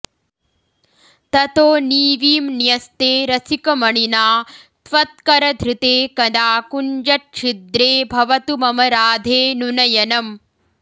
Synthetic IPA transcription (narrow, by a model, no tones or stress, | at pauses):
t̪ɐt̪oːniːʋiːmnjɐst̪eːɾɐsikɐmɐɳinaː | t̪ʋɐt̪̚kɐɾɐd̪ʱɾɪt̪eːkɐd̪aːkund͡ʒɐʈ̚ʂʰid̪ɾeːbʱɐʋɐt̪umɐmɐɾaːd̪ʱeːnunɐjɐnɐm